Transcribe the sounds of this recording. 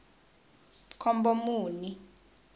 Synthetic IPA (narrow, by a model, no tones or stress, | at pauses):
kʰɔmbɔmuːni